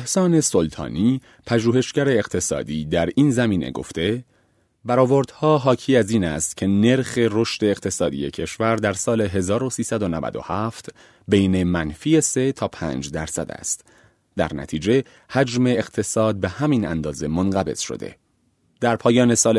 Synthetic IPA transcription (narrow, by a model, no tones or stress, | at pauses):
ehsɒːne̞so̞lt̪ʰɒ̰ːniː | pʰæʒuːhe̞ʃɟæɾe̞ːqt̪ʰe̞sɒ̰ːd̪iːd̪æɾiːnzæmiːnʔḛɡo̰ft̪e̞ | bæɾɒːvoɾd̪̥hɒːɦɒːcʰiːæziːnæ̰st̪cʰe̞ne̞ɾxe̞ro̞ʃt̪e̞ːqt̪ʰe̞sɒːd̪ḭje̞cʰe̞ʃvæɾd̪æɾsɒːle̞ɦe̞zɒːɾo̞siːsæd̪o̞nævæ̰d̪o̞̰hæft̪ | bejne̞mænfiːese̞t̪ʰɒːpʰæ̰ːnd͡ʒd̪æɾsæ̰d̪æ̰st̪ | d̪æ̰ɾnæ̰t̪ʰiːd͡ʒe̞ | hæd͡ʒme̞ːqt̪ʰe̞sɒːd̪̚be̞hæmiːnæ̰nd̪ɒːze̞monɢæbe̞̰z̥ʃo̰d̪e̞̰ | d̪̥æɾpʰɒːjɒːne̞sɒːl